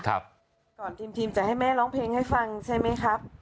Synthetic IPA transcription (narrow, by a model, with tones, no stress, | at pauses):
kʰa̰˦˥p̚ | kɔː˨˩nt̪ʰiː˧mt̪ʰiː˧mt͡ɕa˨˩ha˥˩jmɛː˥˩lɔː˦˥ŋpʰleː˧ŋha˥˩jfa˧ŋt͡ɕʰa˥˩jma˦˥jkʰɾa˦˥p̚